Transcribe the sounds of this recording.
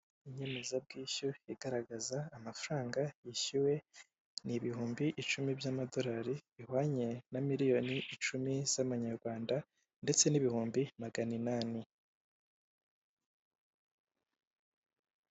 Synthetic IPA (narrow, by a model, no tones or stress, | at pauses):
iɲe̞me̞zab̚ɡiːuiɡ̥aɾaɡazaːmafɾaːŋɡajiçiwe̞ | niβihuːmbiʔit͡ʃumibjamado̞ɾaːɾiβihwaːɲe̞namiɾijo̞niʔit͡ʃumiz̥aβaɲaɾɡwaːnda | nde̞t͡se̞niβihuːmbimaɡaninani